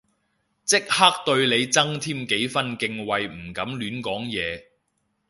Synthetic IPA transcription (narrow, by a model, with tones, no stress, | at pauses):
t͡sɪ˥k̚haː˥k̚t̪ɵ˧ɥle˨˧jt͡sɐ˥ŋt̪ʰiː˥mke˨˥jfɐ˥nkɪ˧ŋwɐ˨jm̩˨˩kɐ˨˥mlyː˨˧nkɔː˨˥ŋjɛː˨˧